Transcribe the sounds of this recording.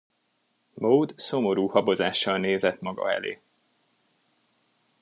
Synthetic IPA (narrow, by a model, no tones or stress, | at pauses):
mowd̪so̞mo̞ɾuːhɒbo̞zaːʃːɒlneːzɛt̪mɒɡɒ̰ɛ̰lḛː